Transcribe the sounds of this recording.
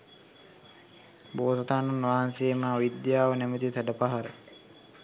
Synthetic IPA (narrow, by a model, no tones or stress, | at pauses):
boːsat̪aːnunʋaɦanseːmaːʋid̪jaːʋənæmət̪isæɖəpaɦaɾə